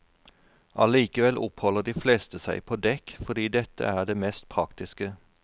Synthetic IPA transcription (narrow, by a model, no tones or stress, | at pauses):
ʔɑliːkəʋɛlʔʊphɔləʁd̪iːfleːst̪əsæɪpʰoːd̪ɛkfɔd̪iːd̪ɛt̪ʰə̰æːʁd̪eːmɛst̪̚pʰʁɑkt̪ɪskə